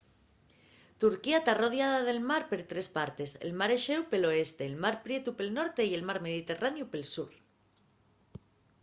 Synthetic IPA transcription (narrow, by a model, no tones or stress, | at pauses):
t̪uɾkiat̪aro̞ð̞jaðaðe̞lmaɾpe̞ɾt̪ɾe̞spaɾt̪e̞sḛlmaɾeʃe̞wpe̞lo̞e̞st̪e̞ːlmaɾpɾje̞t̪upelno̞ɾt̪e̞ie̞lmaɾme̞ð̞it̪e̞ranjupe̞lsuɾ